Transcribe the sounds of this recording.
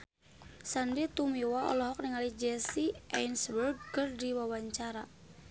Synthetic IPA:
sandit̪umiwaɔ̰lɔɦɔk̚niŋalid͡ʒɛsiʔajnsbərɡ̚kərdiwawaɲt͡ʃaɾa

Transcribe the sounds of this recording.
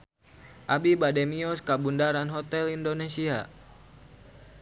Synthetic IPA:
ʔabibadɛmiɔskabundaɾanɦɔt̪ɛlindonesia

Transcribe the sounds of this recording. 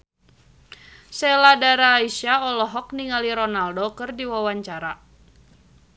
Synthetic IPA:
sɛladaɾaːiʃaɔlɔɦɔk̚niŋaliɾɔnaldokɨrdiwawaɲt͡ʃaɾa

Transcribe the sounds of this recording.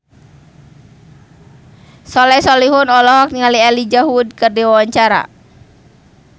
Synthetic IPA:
sɔlɛsɔliɦʊnɔlɔɦɔk̚niŋalialid͡ʒaɦud̚kɨrdiwawaɲt͡ʃaɾa̰

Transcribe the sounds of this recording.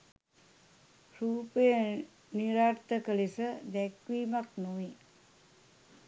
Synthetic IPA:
ruːpəjə | niɾaːɾt̪əkəlisəd̪ɛkʋiːmaknoʋi

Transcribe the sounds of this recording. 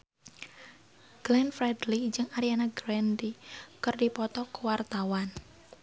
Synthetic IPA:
ɡ̥lɛnfɾɛdlid͡ʒɨŋaɾianaɡɾɛndikɨrdipɔt̪ɔkuwart̪awan

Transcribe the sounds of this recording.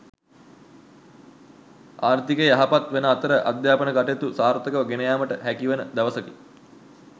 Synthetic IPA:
aːrt̪ikəjəaɦapat̪ʋenəaːt̪əɾəʔa̰d̪jaːpənəkaʈet̪usaːɾt̪əkəʋəɡenəjaːməʈəɦækiʋənəd̪æʋəsəki

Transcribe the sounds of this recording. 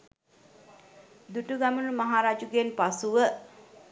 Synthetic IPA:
d̪uʈuɡamunumaɦaːɾaːd͡ʒuɡenpasuʋə

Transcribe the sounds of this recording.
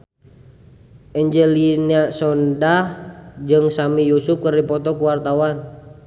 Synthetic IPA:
ʔɛɲd͡ʒəliniasɔndahd͡ʒɨŋsamijusuf̚kəripɔt̪ɔkuwart̪awan

